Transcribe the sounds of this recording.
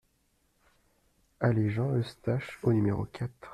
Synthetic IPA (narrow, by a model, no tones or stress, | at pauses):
aleʒɑ̃əst̪aʃonymeʁo̰kʲʰat̪χ